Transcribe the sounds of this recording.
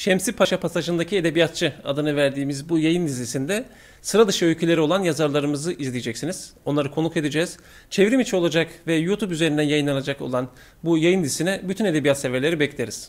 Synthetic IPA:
ʃɛmsipʰaʃapʰasaʒɯnd̪acʰied̪e̞bijat̪̚t͡ʃʰɯa̰d̪ɯnɯvæɾd̪iːmizbujajɯnd̪izisind̪ɛ | sɯɾad̪ɯʃɯølʲcʰelʲe̞ɾio̞lˠanjazaɾlˠaɾɯmɯzɯʔizlʲijed͡ʒɛcsiniz̥o̞nlˠaɾɯkʰo̞nuke̞d̪ed͡ʒɛːz̥ | t͡ʃʰevɾimit͡ʃʰio̞lˠad͡ʒakvɛjut̪ʰupyze̞ɾind̪ænjajɯnlˠanad͡ʒako̞̰lˠan | bujajɯnd̪isinɛbyt̪ʰyne̞d̪ebijat̪sevɛɾlʲe̞ɾibɛclʲeɾiz̥

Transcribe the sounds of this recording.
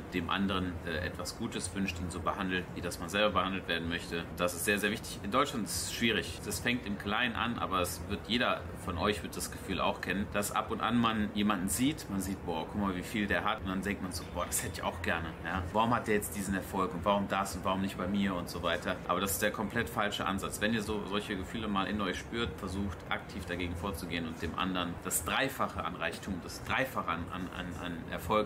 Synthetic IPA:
d̥eːmʔa̰ndəʁənʔɛːʔɛ̰tv̥asɡ̥uːtəsv̥ʏnʃtḭːnzoːbəhandl̩tviːdasmanzɛlbɐbəhandl̩tv̥eːɐdn̩mœçtəʊnd̥asɪstz̥eːɐzeːɐvɪçtɪ̥çɪndɔʏt͡ʃʃlantɪsʃv̥iːʁ̞ɪçd̥asfɛŋktɪmkl̥aɪənʔa̰nʔa̰ːbɐasvɪɐtjeːɾɐ | fɔnʔɔʏçv̥ɪɐt̚d̥asɡ̥əfyːlʔa̰ʊxkʰɛnənd̥asʔa̰pʊntʔa̰nmanjeːmandn̩ziːtmanziːt̚b̥ɔːɐkʰʊkmaːlviːfiːldeːɐɦatʊnd̥andɛŋktmanzoːbɔːɐd̥ashɛtɪça̰ʊxɡ̥ɛɐnəjaːvaʁʊmhat̚d̥eːɐjɛt͡std̥iːzn̩ɛɐfɔlkʊntv̥aʁʊmdasʊntvaʁʊmnɪçtb̥aɪmiːɐʊntz̥ovaɪtʰɐʔa̰ːbɐɾasɪ̥std̥eːɐkʰɔmpl̥ɛtfalʃəʔa̰nzat͡sv̥ɛniːɐzoːzɔlçəɡəfyːləmaːlʔɪnɔʏçʃpyːɐtfɛɐzuːxtʔa̰ktʰiːfd̥aɡeːɡŋ̩foːɐt͡suɡeːənʊnt̚d̥eːmʔa̰ndəʁənd̥asd̥ʁaɪfaχəʔa̰nʁaɪçtʰuːmʊd̥asd̥ʁaɪfaχəana̰na̰na̰nʔɛ̰ɐfɔlk̚

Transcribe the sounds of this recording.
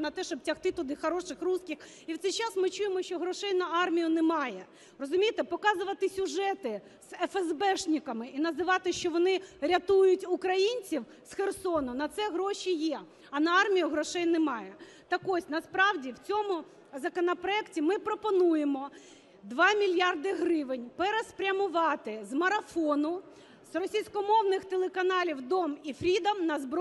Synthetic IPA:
nɐt̪ɛʃɔb̚tʲɐxt̪ɪt̪ʊd̪ɪxɐɾɔʃɪxruskʲix | iwt̪sɛjt͡ʃɑsmɪt͡ʃujemɔʃt͡ʃɔɦɾɔʃɛjnɐɑrmʲijʊnɛmɑjɛ | ɾɔzʊmʲijt̪ɛpɔkɑzʊʋɐt̪ɪsʲʊʒɛt̪ɪ | z̥ɛfɛzbɛʃnʲikɐmɪinɐzɪʋɑt̪ɪʃt͡ʃɔʋɔnɪɾʲɐt̪ujʊtʲʊkɾɐjinʲt͡sʲiw | sxersɔnɔnɐt̪sɛɦɾɔʃʲijɛ | ɐnɐɑrmʲijʊɦɾɔʃɛjnɛmɑjɛ | t̪ɐkɔsʲnɐspɾɑwdʲiwt͡sʲɔmʊ | zɐkɔnɐpɾɔɛktʲimɪpɾɔpɔnujemɔ | d̪ʋɑmʲilʲjɑrd̪ɪɦɾɪʋɪnʲpɛɾɛspɾʲɐmʊʋɑt̪ɪzmɐɾɐfɔnʊ | z̥rɔsʲijsʲkɔmɔwnɪxt̪elˠekɐnɑlʲiwd̪ɔmifɾʲid̪ɐmnɐzbɾ

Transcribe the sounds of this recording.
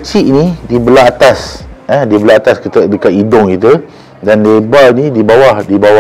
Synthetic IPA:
t͡ʃiʔnidibəlaːt̪asədibəlaat̪askət̪ədəkat̪idɔŋkit̪ə | danlebainĩdibawahdibawa

